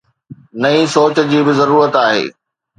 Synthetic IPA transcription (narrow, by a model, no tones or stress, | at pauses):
nɐisoːt͡ɕ̆d͡ʑiːbɪzɐɾuːɾət̪aːɦḛː